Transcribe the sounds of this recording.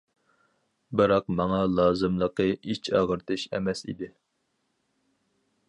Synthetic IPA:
bɨɾɑqmɑŋɑlˠɑːzɨmlˠəqɨit͡ʃʰɑʁəɾt̪ʰɨʃɛ̰mɛsḭd̪ɪ

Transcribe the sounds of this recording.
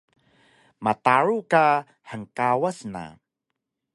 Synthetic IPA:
mat̪aɾuka | ħəŋkawəsna̰

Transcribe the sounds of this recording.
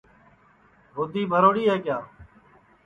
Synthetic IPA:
ɦʊd̪ʱiːbʱəɾoːɽiːɦɛːkjaː

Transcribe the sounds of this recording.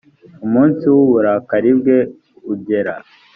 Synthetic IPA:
umuːnsiwuβuɾakaɾibɡe̞ | uɟe̞ɾa̰

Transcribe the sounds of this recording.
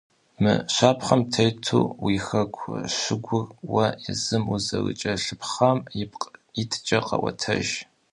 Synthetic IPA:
mɨ̰ɕaːpʰχɐmtʰɐjtʰṵːwiːxɐkʷʰʼʃɨɡʷʊrwɐɪzɨmuzɐɣɨ̰t͡ʃʼɐɬɨpχɐmjɪp̚qitʰɨ̥t͡ʃʼɐqɐ̰wɐ̰tʰɐ̰ʒ

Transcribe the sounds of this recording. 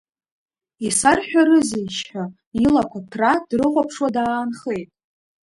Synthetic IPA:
isarħʷᶣaɾɨziʃa | ilakʷʰatʰrad̥rɨʁʷapʰʂwadaːnχe̞jtʼ

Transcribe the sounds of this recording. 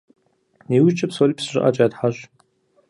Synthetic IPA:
ewit͡ʃʰʼapʰsolipʰsʒʷɨ̰ʔat͡ʃʼaadħaʒʷ

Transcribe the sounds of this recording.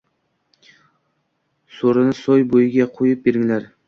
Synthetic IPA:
soɾɪnɪsojbojɪɡʲaqʰojɪp̚beɾɪŋlaɾ

